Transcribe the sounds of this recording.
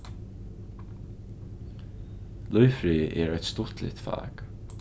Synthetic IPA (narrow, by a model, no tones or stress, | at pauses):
lʊjfɾiːʔɛːɾœt̪st̪ʊt̪lɪ̰t̪fa̰ːk